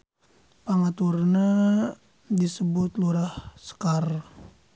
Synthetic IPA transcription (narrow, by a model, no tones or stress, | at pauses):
paŋat̪urna | disəbʊt̪luɾahsə̥kar